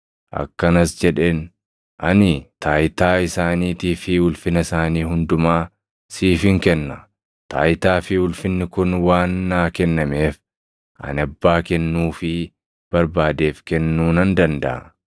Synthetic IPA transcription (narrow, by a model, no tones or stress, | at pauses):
ʔɐ̰kːɐnɐsd͡ʒɛᶑe̞ːn | ʔɐnɪt̪aːjt̪aːɪsaːniːt̪iːfɪwʊlfɪnɐsaːniːɦʊnd̪ʊmaː | siːfɪŋkɛnːɐ | t̪a̰ːjt̪aːfɪwʊlfɪnːɪkʊnwaːnːaːkɛnːɐme̞ːf | ʔɐ̰nɐbːaːkɛnːuːfɪ | b̥ɐɾbaːd̪e̞ːfkɛnːuːnɐnd̪ɐnd̪ɐ̰ʔɐ